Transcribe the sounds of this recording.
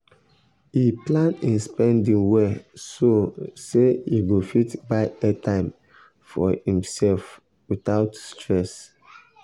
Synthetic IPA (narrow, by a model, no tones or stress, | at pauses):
iplãnĩnspɛ̃ndĩŋwɛsoseiɡofitbaɪɛtãɪ̃m | fɔ̰hĩmsɛlf | wit̪aʊtstʰɹɛs